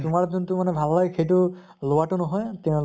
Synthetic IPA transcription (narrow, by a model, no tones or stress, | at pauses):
tʊmaɹduntʊmanɛbʱalːaɡkʰejtʊ | lowatʊnɔɦɔjtɛʊ̃l